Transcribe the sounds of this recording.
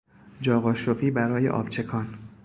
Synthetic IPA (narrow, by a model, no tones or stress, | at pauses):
d͡ʒɒːɣɒːʃofiːbæɾɒːje̞̰ʔɒ̰ːb̥t͡ʃʰe̞kʰɒːn